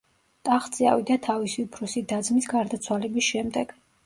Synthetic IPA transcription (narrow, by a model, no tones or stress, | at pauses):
t̪ʼaχt̪sʼia̰vid̪at̪ʰavisiupʰɾusid̪ad̪zmisɡaɾd̪at̪sʰwalɛbisʃɛmd̪ɛɡ̥